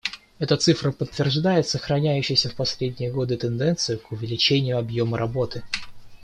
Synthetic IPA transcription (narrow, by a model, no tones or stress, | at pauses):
ɛt̪ət̪sɨfɾəpət̪ːvʲɪrʐd̪ajɪt̪səxɾɐnʲæjʉɕːɪjsʲəfpɐsʲlʲedʲnʲɪjəɡo̞d̪ɨt̪ɨnd̪ɛnt̪sɨjʊkʊvʲɪlʲɪt͡ɕenʲɪjʊɐbjo̞məɾʔɐbo̞t̪ɨ